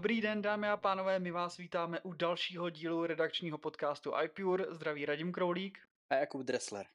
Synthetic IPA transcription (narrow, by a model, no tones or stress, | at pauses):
obɾiːdɛndaːmɪapaːno̞vɛːmɪvaːsviːt̪aːmɛʔudalʃiːɦo̞ɟiːluɾɛdakt͡ʃɲiːɦo̞po̞t̪kaːst̪uʔa̰jpjuɾzd̪ɾaviːɾaɟɪmkɾo̞wliːk | ʔajakubd̪ɾɛslɛ̰ɾ